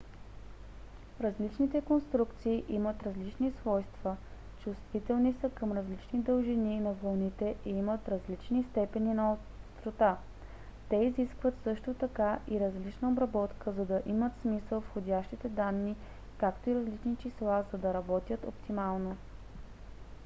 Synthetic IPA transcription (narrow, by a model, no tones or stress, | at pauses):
ɾɐzlit͡ʃnit̪ɛkonst̪ɾukt̪siːʔimət̪ɾɐzlit͡ʃnisvɔjst̪və | t͡ʃust̪vit̪ɛlˠnisəkɐmɾɐzlit͡ʃnid̪əlˠʒininɐvɐlˠnit̪ɛʔiimət̪ɾɐzlit͡ʃnist̪ɛpɛninɐo | t̪ɾot̪a | t̪ɛiziskvət̪sɤʃt̪ot̪ɐkaʔiɾɐzlit͡ʃnəobɾɐbɔt̪kəzɐd̪ɐʔimət̪smisəlˠfxodʲaʃt̪it̪ɛd̪anːi | kakt̪oiɾɐzlit͡ʃnit͡ʃislˠazɐd̪ɐɾɐbɔt̪ʲjət̪o̰pt̪imalˠno